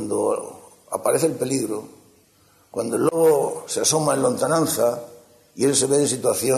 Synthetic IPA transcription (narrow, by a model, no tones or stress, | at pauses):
nd̪o̰ | a̰paɾeθelpe̞liɣɾo | kwand̪oloɣoseaso̞maelont̪anãnθa | ielseβeðes̬it̪waθjo